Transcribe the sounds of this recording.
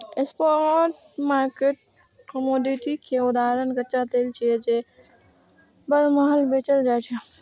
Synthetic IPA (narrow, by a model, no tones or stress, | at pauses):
ɪspoʈmaːɾkeʈ̚ | kəmoːd̪iʈikʰeʊd̪aːɾənɡɐt͡ʃat̪eːlt͡ʃʰied͡ʒe | bɐɾməɦəlbeːt͡ʃəld͡ʒajt͡ʃʰe